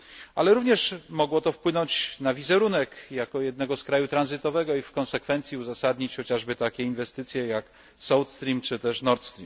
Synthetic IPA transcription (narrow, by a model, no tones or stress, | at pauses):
alɛɾuvɲɛʂmɔɡwɔt̪ɔfpwɘnɔɲt͡ɕnavʲizɛɾunɛkjakɔjɛd̪nɛɡɔskɾajut̪ɾanzɘt̪ɔvɛɡɔifkɔ̃nsɛkfɛnt̪sʲiuzasad̪ɲit͡ɕxɔt͡ɕaʐbɘt̪akʲɛinvɛst̪ɘt̪sʲjɛjak | sɔwt̪st̪ɾʲimt͡ʂɘt̪ɛʂnɔɾt̪st̪ɾʲim